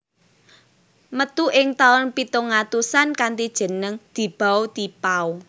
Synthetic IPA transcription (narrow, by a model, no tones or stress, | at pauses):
mət̪uʔɪŋt̪aɔnpit̪oŋat̪usankant̪id̥ʒ̥ə̤nəŋd̪̥i̤b̥a̤ot̪ipau